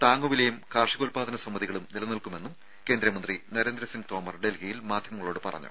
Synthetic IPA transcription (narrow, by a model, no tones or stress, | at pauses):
t̪aːŋɡoʋilejumkaːrʂikoːlpaːd̪ʱɐnɐsɐmːɐðiɣɐɭumnilɐnilkume̞nːum | keːnd̪ɾɐmɐnd̪rinɐɾe̞ːnd̪ɾɐsiŋɡɨt̪o̞ːmɐrɖelɡijilmaːd̪ʱjɐmɐŋːɐɭo̞ːɽɨpɐrɐ̰ɲːṵ